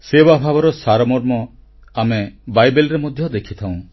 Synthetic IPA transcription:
sewabʱabɔɾɔsaɾɔmɔɾmɔ | amebajbelɾemɔd̪ʱjɔd̪ekʰit̪ʰaw̃

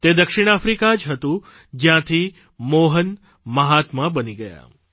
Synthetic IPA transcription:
t̪ed̪əkʃɪɽ̃afɾikad͡ʒɦət̪ũ | d͡ʒjãt̪ʰi | moɦən | məɦat̪mãbəniɡəja̰

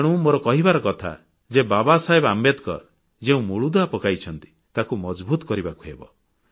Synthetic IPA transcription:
ɽ̃ũmoɾɔkɔɦibaɾɔkɔt̪ʰa̰ | d͡ʒebabasaɦebamet̪kɔ̰ | d͡ʒeũmuɭud̪ɔapɔkajt͡ʃʰɔnt̪i̥ | t̪akumɔd͡ʒbut̪ɔ̥kɔɾibakuɦḛbɔ̰

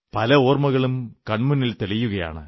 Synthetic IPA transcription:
pɐlɐo̞ːrmɐɣɐɭumkɐɳmunːilt̪eɭijuɣɐja̰ːɳɨ̰

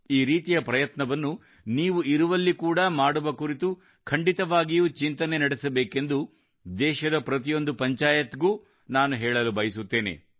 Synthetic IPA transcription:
iːɾiːt̪ijɐpɾɐjɐt̪nɐʋɐnːu | niːʋuiɾuʋɐlːikuːɽɐmaːɽuʋɐkuɾit̪u | kʰɐɳɖit̪ɐʋaːɡijuːt͡ʃint̪ɐnenɐɽɛsɐbeːke̞nd̪u | d̪ɛːʃɐd̪ɐpɾɐt̪̬ijo̞nd̪upɐɲt͡ʃaːjɐt̪ɡuː | naːnuɦɛːɭɐlubɐjisut̪ːe̞ːnḛ

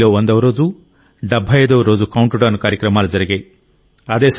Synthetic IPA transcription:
loːʋɐnd̪ɐʋɐɾo̞ːd͡ʒu | ɖɐbʱɐjɐjd̪ɐːɾo̞ːd͡ʒukɐwuɳʈuɖɐnukaːɾjɐkɾɐmaːlud͡ʒɐɾiɡeː | ɐd̪eːs

